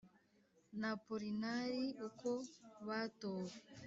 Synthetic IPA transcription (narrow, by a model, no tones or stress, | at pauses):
napuɾinaɾiukoβatoːwe